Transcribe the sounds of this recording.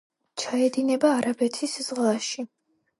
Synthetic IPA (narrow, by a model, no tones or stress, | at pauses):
t͡ʃʰaɛd̪inɛbaːɾabɛt̪ʰisz̥ʁlˠaʃi